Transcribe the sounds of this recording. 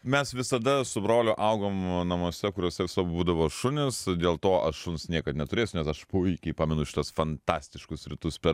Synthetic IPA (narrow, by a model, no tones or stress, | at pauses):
mʲɛsʋʲɪsɐd̪ɐsʊbɾoːlʲʊʔɐʊɡoːmnɐmoɔːsʲɛkʊɾʲoːsʲɛʋʲɪsɐbuːd̪ɐʋoːʃʊnʲɪsd̪ʲeːlˠt̪oːʔɐʃʃʊnsnʲiɛkɐt̪nʲɛt̪ʊɾʲeːsʲʊnʲɛsɐʃpʊɪkʲɛɪpɑːmʲɛnʊʃʲɪ̥t̪ɐsfɐnt̪ɑːsʲt̪ʲɪʃkʊsɾʲɪt̪ʊspʲɛ